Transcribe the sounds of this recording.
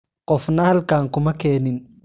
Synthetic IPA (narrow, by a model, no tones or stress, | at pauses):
qʼɔfnɐhɐlkaːŋkʊmɐkɛːnɪn